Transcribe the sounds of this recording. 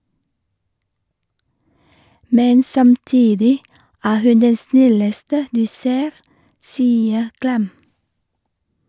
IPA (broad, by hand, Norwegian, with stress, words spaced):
ˈmɛn sɑmˈtiːdɪ ˈæː ˈhʉn ˈdɛn ˈsnɪləstə ˈdʉː ˈseːɾ ˈsiːə ˈklɛm